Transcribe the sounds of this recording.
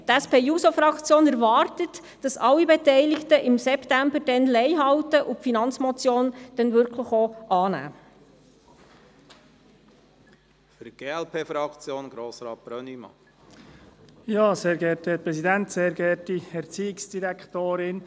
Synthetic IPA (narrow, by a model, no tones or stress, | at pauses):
tɛspeːjuːsofɾɑkt͡sjoːnɛɾʋɑrtət | d̥ɑsɑlːibɛtɛɪlɪktəʔɪmsɛptæmbəɾd̥ɛnlɛɪɦɑwtəʔʊfinɑnt͡smɔt͡sjoːnd̥ɛnʋʏɾkʰləχoʔɑːnæ̰ː | fyɾɡ̥eːɛlpʰeːfɾɑkt͡sjoːnɡ̥ɾoːsɾɑːt̚b̥ɾœnimɑ̰ | jɑːseːɾɡɛːtɛpɾɛsidɛnt̪seːɾɡɛtiɛɾt͡siːɪksd̥iɾɛkʰtoːɾɪn